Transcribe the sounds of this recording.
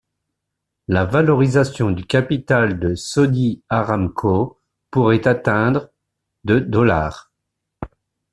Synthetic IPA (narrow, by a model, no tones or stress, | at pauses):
lavalɔʁizasjɔ̃d̪ykʲapit̪ald̪əsɔd̪iaʁamkʰo | puʁɛt̪at̪ɛ̃d̪ʁ | d̪əd̪ɔla̰ːʁ